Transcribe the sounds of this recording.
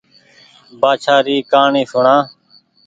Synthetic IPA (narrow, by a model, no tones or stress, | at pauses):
baːt͡ʃʰaːɾiːkaːɳĩːsʊɳãː